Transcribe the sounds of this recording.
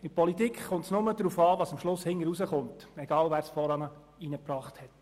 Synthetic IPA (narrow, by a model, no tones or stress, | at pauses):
ɪpʰɔlitikχʊntsnʊməd̪ɾuːfɑːʋɑːsɑmʃlʊshɪŋəɾuzəχʊntɛɡ̥ɑːlʋæːɾsfɔɾɑnə | inəpɾɑːχthɛt